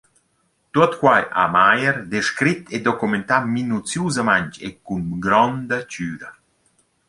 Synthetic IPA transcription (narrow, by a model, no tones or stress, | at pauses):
t̪uɔt̪kwajʔa̰majəɾd̪eʃkɾit̪ʰed̪ɔkument̪aminut͡sjuzamaɲt͡ʃḛkunɡɾɔnd̪ət͡ʃyːd̪a